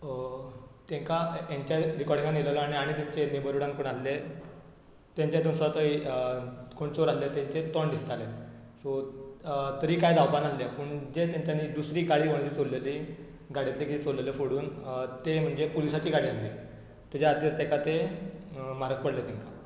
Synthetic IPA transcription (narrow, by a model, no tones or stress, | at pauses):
t̪ẽŋkajãɲt͡ɕaɾikɔɾɽĩŋɡanilalɔañeaɽ̃it̪aɲt͡ɕenebəɾuɽãŋkoɳalle | t̪jãɲt͡ɕjat̪ũsat̪ə | koɳt͡soɾalːet̪ẽɲt͡ɕet̪ɔɳd̪ist̪ale | sɔ | t̪əɾiːkajd͡z̪aʋpanallepəɳd͡ʑet̪jãɲt͡ɕjanid̪usɾiːɡaɽiːɦoɽ̃et͡sit͡solːeli | ɡaɽit̪lekit̪it͡solːelefoɽuːnt̪em̤əɳd͡zepolisat͡ɕiːɡaɽiːalle | t̪ad͡ʑaːd̪iɾt̪ɛ̃kat̪e | maɾək̚pəɽlet̪ɛ̃ŋka